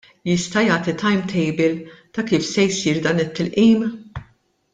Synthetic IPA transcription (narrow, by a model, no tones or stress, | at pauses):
jɪst̪ɐjɐːt̪it̪ɐjmt̪ʰɛjbɪlt̪ɐkiːfsɛjsiːɾd̪ɐːnɪt̪ːɪlʔiːm